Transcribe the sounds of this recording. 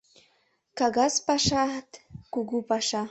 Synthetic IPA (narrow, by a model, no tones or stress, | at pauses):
kaɡaspaʃat̪kuɡupaʃa